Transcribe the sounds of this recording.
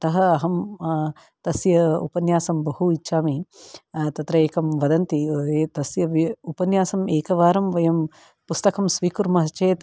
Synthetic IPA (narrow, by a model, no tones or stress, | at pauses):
t̪ɐɦɐɐɦɐm | t̪ɐsjɐṵpɐnjaːsɐmbɐɦuit͡ʃːʃaːmi | t̪ɐt̪ɾɐeːkɐmʋɐd̪ɐnt̪it̪ɐsjɐʋiupɐnjaːsɐmeːkɐʋaːɾɐmʋɐjɐm | pust̪ɐkɐmsʋiːkuɾmɐɦɐt͡ʃeːt̪